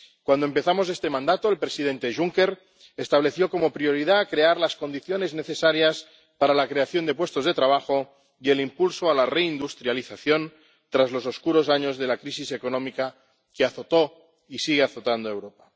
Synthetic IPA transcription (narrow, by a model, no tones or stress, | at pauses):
kwand̪oempe̞θamo̞se̞st̪e̞mãnd̪at̪oelpɾesið̞e̞nt̪e̞ʒuŋke̞ɾ | est̪aβ̞le̞θjo̞ko̞mo̞pɾio̞ɾiðaːkɾe̞aɾlasko̞nd̪iθjo̞ne̞zne̞θe̞saɾjas | paɾalakɾe̞aθjo̞nd̪e̞pwe̞st̪o̞zðe̞t̪ɾaβ̞axo̞ | ie̞limpulso̞alare̞ind̪ust̪ɾjaliθaθjo̞n | t̪ɾazlo̞so̞skuɾo̞saɲo̞zðe̞lakɾisise̞ko̞nõ̞mika | keaθo̞t̪o̞ | isiɣ̞eaθo̞t̪and̪oe̞wɾo̞pa